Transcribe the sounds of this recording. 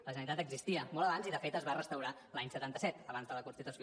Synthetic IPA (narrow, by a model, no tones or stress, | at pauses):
ləʒənənit̪at̪əɡzist̪iəmɔlˠəβanziðəfet̪əzβarəst̪əwɾa | laɲsət̪ant̪əsɛt̪əβanzðələkunst̪it̪usi